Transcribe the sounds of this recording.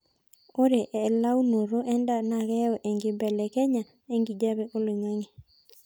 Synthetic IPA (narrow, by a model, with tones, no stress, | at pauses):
o˦ɾe˨ʔɛ˨la˦wno˨ɾo˦ʔɛ˦nda˨na˨ɡɛ˦ɔ˨ʔe˨ŋɡɪ˨bɛ˨lɛ˨kɛ˦ɲa˨ | e˦ŋɡi˨d͡ʒa˦be˨ʔo˦le˨ŋa˦ŋi˨